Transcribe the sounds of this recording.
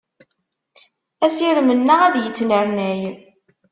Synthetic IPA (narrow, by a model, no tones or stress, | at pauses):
æsiɾmənːəʁæðjət͡sːnəɾnæj